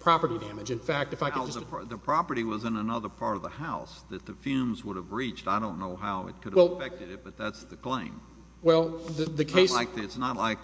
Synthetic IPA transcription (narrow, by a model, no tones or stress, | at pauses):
pʰɹ̥ɑpə˞ɾidæ̃mɨd͡ʒɨ̃nfæk̚tɨfaɪd͡ʒʌsðəðɨpʰɹ̥ɑpə˞ɾiwʌzɨ̃nənʌðə˞pʰɑɹɾʌvðəhaʊsðɨt̪̚ðɨfjʉmzwʊɾəvɹit͡ʃtaɪɾõʊ̃nːoʊɦaʊɨ̰t̚kʰʊɾɨwɛlˠfɛk̚tɨɾɨt̚b̥ʌt̪̚ðætsðɨkʰl̥ẽɪ̃m | wɛlˠðɨðɨkʰeɪslaɪk̚ɨɨtsnətˡlaɪk̚